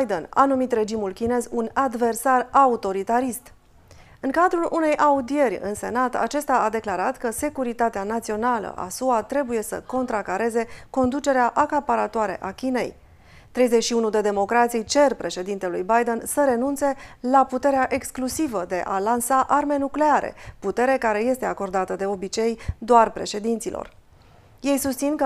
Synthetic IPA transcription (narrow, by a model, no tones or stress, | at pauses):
jd̪ena̰numit̪re̞d͡ʒimulkʲine̞zunad̪ve̞rsaraut̪o̞ɾit̪aɾist̪ | ɨŋkad̪ɾulʔune̞jʔaud̪ie̞rʲɨ̰nse̞̰nat̪a̰t͡ʃe̞st̪aad̪e̞klaɾat̪kəse̞kuɾit̪at̪eanat̪sio̞nalə̰ʔa̰suat̪ɾe̞buje̞sə̰ko̞nt̪ɾakaɾe̞ze̞ko̞nd̪ut͡ʃe̞ɾeaʔakapaɾat̪oaɾe̞̰ʔakʲine̞̰j | t̪ɾe̞jze̞t͡ʃʃiunud̪e̞d̪e̞mo̞kɾat̪sijt͡ʃe̞rpɾe̞ʃe̞d̪int̪elujbajd̪e̞nsəɾe̞nunt̪se̞laput̪e̞ɾeaʔe̞ksklusivəd̪e̞ʔalansaʔarme̞nukle̞aɾḛput̪e̞ɾe̞kaɾe̞je̞st̪e̞ako̞rd̪at̪əd̪e̞o̞bit͡ʃe̞jd̪oarpɾe̞ʃe̞d̪int̪silʔo̞̰r | je̞jsust̪sinkə